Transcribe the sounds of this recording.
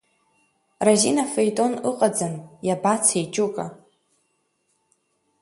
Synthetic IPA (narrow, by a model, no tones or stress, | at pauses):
razinafejtʼo̞nɨqʼad͡zanjabat͡sʰejt͡ʃʼukʼa